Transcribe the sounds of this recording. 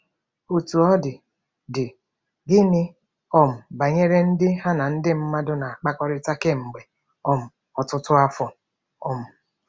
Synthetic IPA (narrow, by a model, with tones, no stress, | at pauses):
o˨tu˨ɔ˦dɪ˨ | dɪ˨ | ɡɪ˦nɪ˦ | ɔ˦m̩˨ba˨ɲe˦ɾe˦n̩˦dɪ˦ɦa˦na˨n̩˦dɪ˦m̩˦ma˦dʊ˦na˨a˨k͡pa˦kɔ˦ɾɪ˦ta˦ke˦ŋ͡m̩˨ɡ͡be˨ | ɔ˦m̩˨ | ɔ˨tʊ˦tʊ˦a˦fɔ˨ | ɔ˨m̩˨